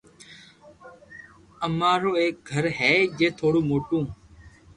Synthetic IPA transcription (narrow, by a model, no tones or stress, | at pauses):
əmaːɾoːeːk̚ɡʱəɾɦɛːd͡ʒeːt̪ʰoːɽuːmoːʈũː